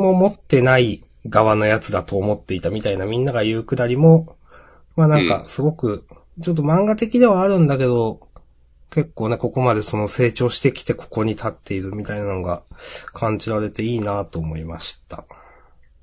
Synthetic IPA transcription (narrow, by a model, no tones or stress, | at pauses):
mo̞mo̞t̪ːe̞nai | ɡaβano̞jat͡sɨd̪at̪o̞ːmo̞t̪ːe̞it̪amʲit̪ainamʲĩnːaɡajɯ̟ːkɯ̟d̪aɾʲimo̞ | manãŋka̰sɨɡo̞kɯ̟ | t͡ɕo̞t̪ːo̞mãŋɡat̪e̞kʲid̪e̞β̞aːɾɯ̟̃nd̪ake̞d̪o̞ | ke̞kːo̞ːne̞ko̞ko̞mad̪e̞so̞no̞se̞ːt͡ɕo̞ːɕi̥t̪e̞kʲi̥t̪e̞kʰo̞̥ko̞ɲ̟it̪ʰat̪ːe̞iɾɯ̟mʲit̪ainananoɡakʰãɲ̟d͡ʑiɾaɾe̞t̪e̞iːnat̪o̞ːmo̞ima̰ɕi̥t̪a̰